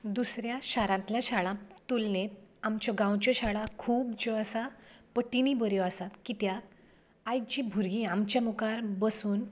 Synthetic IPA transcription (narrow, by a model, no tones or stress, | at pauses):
d̪usɾjaɕaɾãnt̪laɕaɭãt̪ulnet̪amt͡ɕɔɡãwt͡ɕɔɕaɭãkʰuːb̚d͡ʑoasapəʈinibəɾjɔasat̪kit̪ja | ajt͡ɕibʱuɾɡĩamt͡ɕjamukaɾbəsuːn